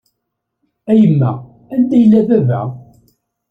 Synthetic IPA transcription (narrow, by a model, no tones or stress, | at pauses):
æjəmːæ | ænd̪æjəlːævævæ̰